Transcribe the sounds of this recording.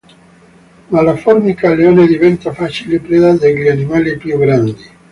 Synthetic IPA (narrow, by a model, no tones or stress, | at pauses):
malafɔrmikaleoːned̪ivɛnt̪afat͡ʃilipɾed̪ad̪eʎianimalipjuɡɾand̪i